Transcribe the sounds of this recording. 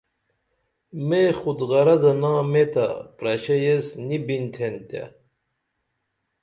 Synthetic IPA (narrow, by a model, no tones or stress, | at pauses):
meχud̪ɣɐɾɐzɐnaːmet̪a̰pɾɐɕɐjesnibint̪ʰent̪a̰